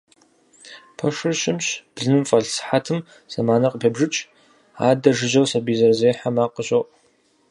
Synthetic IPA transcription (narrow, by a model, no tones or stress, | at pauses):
pʰɐʂɨrɕɪmɕb̥zɨmfʼɐɮsħatʰɨm | z̥ɐmaːnɐqʼəpʰɐbʐɨt͡ʃʼ | a̰ːdɐʐɨʒɐwsɐbiːzɐrzeːħamaːqʼəɕʼoʔ